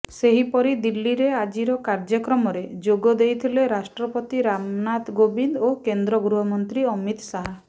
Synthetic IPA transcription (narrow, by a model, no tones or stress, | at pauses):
seɦipɔɾid̪ilːiɾead͡ʒiɾɔkaɾd͡ʒɔkɾɔmɔɾed͡ʒoɡɔd̪ejt̪ʰileɾasʈɾɔpot̪iɾamnat̪ɡobind̪okend̪ɾɔɡɾuɦɔmɔnt̪ɾiɔmit̪saɦa